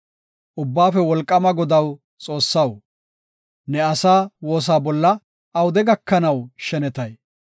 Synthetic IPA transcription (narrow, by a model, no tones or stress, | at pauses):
ʔʊbːaːfɛwɔlkʼːɐmɐɡɔd̪ɐw | t͡sʼo̞ːsːɐw | nɛɐsaːwo̞ːs̬aːbɔlːɐ | ʔɐwʊd̪ɛɡɐkːɐnɐwʃɛnɛt̪ɐj